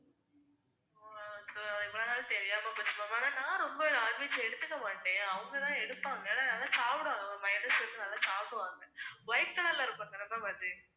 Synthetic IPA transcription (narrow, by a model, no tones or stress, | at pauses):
soːɐðɪʋɐɭoːnaːlt̪ɛɾɪjaːmapːɐsɪmɐmaːnanãːɾɔmbɐaːɾʋɐt͡ʃːɯɛɽɯt̪ːɯkːɐmaːʈːẽːɐʋɐŋɡɐt̪ãːɛɽɯpːaːŋɡɐnanɐːlãːsaːʋɪɽɯʋaːŋɡɐʋɐmɐɪnɾɐsɐd̪ɯnɐːlːãːsaːʋɪɽɯʋaːŋɡɐʋɐjɪf̚ʈɐnɐlːaːɪɾɯpːaːŋɡɐnɐt̪ːãːʋɐd̪ɯ